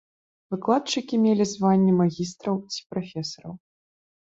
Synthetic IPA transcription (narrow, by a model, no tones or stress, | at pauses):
vɨklˠat̪̚t͡ʂɨkʲimʲelʲizvanʲːɛmaɣʲist̪ɾɐwt͡sʲi̥pɾafʲɛsɐɾɐ̰w